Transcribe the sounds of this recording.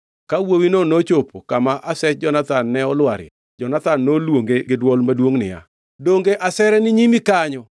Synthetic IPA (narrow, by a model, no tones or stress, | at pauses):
kawowinonot͡ʃopʰokamaʔasɛt͡ʃ̚d͡ʒɔnat̪anːɛɔlwaɾɪ̰ | d͡ʒɔnat̪anːolwoŋɡeɡɪdwɔlmadwoŋnɪja̰ | doŋɡeʔasɛɾɛnɪɲimikaɲɔ